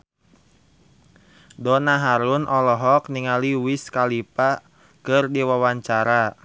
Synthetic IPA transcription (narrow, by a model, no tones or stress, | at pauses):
dɔnaɦaɾunʔɔlɔɦɔk̚niŋaliwiskalipa | kɨrdiwawaɲt͡ʃaɾa